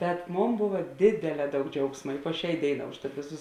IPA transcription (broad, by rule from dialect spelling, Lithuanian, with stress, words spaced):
bʲɛt ˈmoːn ˈboːʋɐ ˈdʲeːdʲeːˌlʲɛː ˈdɐʊk ˈd͡ʒʲɛʊksmɐ ɪ poː ˈʃʲæː ˈdʲeːɪˌnɑː ʊʃˈtɐt ˈʋʲeːˌsʊs